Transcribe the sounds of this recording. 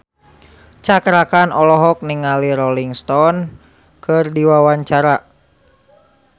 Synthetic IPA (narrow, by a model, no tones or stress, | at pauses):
t͡ʃakɾakanɔlɔɦɔk̚niŋaliɾɔliŋst̪ɔn | kɨrdiwawaɲt͡ʃaɾa